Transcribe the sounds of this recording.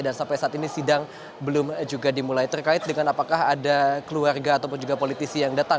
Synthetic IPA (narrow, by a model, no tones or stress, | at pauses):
dansampajsaʔːt̪inisidaŋ | bəlʊmd͡ʒuɡadimulajt̪ərkaɪt̪̚dəŋanapakaɦadakəluarɡaːt̪awpʊnd͡ʒuɡapolit̪isijaŋdat̪a